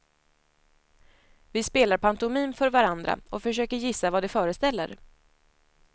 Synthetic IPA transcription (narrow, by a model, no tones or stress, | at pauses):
vɪspeːlaɾpʰant̪ʊmiːnfœɾvaɾand̪ɾa̰ɔfœʂøːkəɾjɪsːavad̪ɛfœːɾəst̪ɛlːə̰ɾ